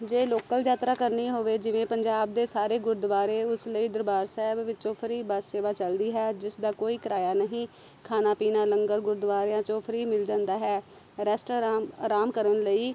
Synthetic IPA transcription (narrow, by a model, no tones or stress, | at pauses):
d͡ʒeːloːkəld͡ʒaːt̪ɾaːkəɾniːɦoːʋeːd͡ʒɪʋẽːpəɲd͡ʒaːb̚d̪eːsaːɾeːɡʊɾd̪ʋaːɾeːʊsləiːd̪əɾbaːɾsɛːbʋɪtːt͡ʃõːpʰəɾiːbəsːeːʋaːt͡ʃəld̪iːɦɛːd͡ʒɪsd̪aːkoːiːkəɾaːjaːnəɦĩː | kʰaːnaːpiːnãːləŋɡəɾɡʊɾd̪ʋaːɾjãːt͡ʃõːpʰəɾiːmɪld͡ʒãːnd̪aːɦɛː | ɾɛːsʈoɾaːɾaːmkəɾənləiː